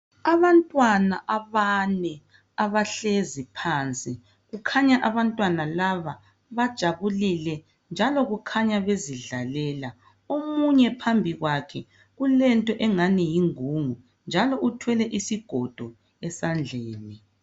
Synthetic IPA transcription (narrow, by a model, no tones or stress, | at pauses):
aβantʼwanaʔaβanɛ | aβaɬezipʰaːnt͡sʼi | ɣukʰaɲaʔaβantʼwanalaβa | βad̥ʒ̥ʱaβulilɛ | nd͡ʒʱalɔɣukʰaɲaβeziɮalɛːla | omuɲɛpʰambʱiɣwakʰɛ | ɣulɛntʼɔʔɛŋanijiŋuŋu | nd͡ʒʱalɔʔutʰwɛlɛʔisiɡ̥ʱɔd̥ʱɔ | ɛsand͡ɮʱeːni